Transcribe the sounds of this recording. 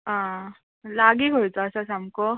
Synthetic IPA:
ã | laɡiːkɦojt͡sɔasasamkɔ

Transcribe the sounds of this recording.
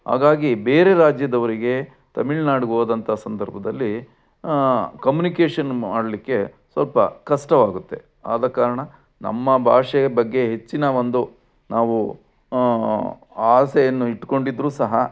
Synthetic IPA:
ɦa̰ːɡaːɡibeːɾe̞ɾaːd͡ʒjɐd̪ɐʋɐɾiɡe̞ | t̪ɐmiɭnaːɽiɡoːd̪ɐnt̪ʰɐsɐnd̪ɐɾbʱɐd̪ɐlːi | kɐmjunikeːʂɐnmaːɽɐlikːe̞ | sʋɐlpɐkɐʂʈɐʋaːɡut̪ːe̞̰ | aːd̪ɐkaːɾɐɳɐ | nɐ̰mːɐbʱa̰ːʂebɐɡːe̞ɦe̞t͡ʃːinɐʋond̪u | naːʋu | aːseenːuiʈko̞ɳɖid̪ɾuːsɐɦɐ

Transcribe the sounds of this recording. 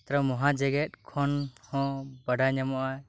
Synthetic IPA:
t̪ɾɔmɔɦãd͡ʒɛɡɛt̪̚ˀkʰɔnhɔ̃bəɖaɲamɔʔa

